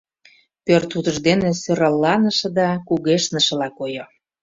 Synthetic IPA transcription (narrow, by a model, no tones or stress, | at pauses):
pørt̪ut̪əʒd̪enesøɾɑlːɑnə̆ʃɤ̆d̪ɑkuɣeʃnə̆ʃə̆lɑkojo